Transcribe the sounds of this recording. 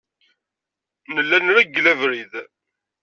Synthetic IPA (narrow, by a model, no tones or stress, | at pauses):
nəlːænɾæɡlævɾið